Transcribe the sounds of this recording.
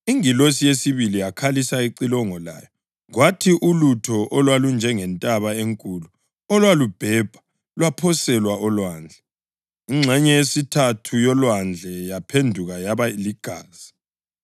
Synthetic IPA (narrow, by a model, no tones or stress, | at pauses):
iŋilosijesiβilijakʰalisaiǀilɔŋɔla̰ːjɔ | ɣwatʰiʔulutʰɔʔɔlwalund͡ʒʱɛŋɛntʼaβaeŋkʼulu | ɔlwalub̥ʱɛːb̥ʱḁ | lwapʰɔsɛlwaɔlwaːnd͡ɮʱɛ | iŋ͡ǁʱɛɲɛesitʰatʰujɔlwand͡ɮʱɛjapʰendʱuɣajaβaliɡ̥ʱaːz̥i̥